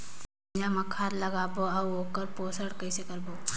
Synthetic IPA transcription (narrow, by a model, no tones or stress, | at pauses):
d͡ʒamɐkʰaːɾlɐɡaːboːɐboːkəɾpoːsəɽkɐɪsekɐɾboː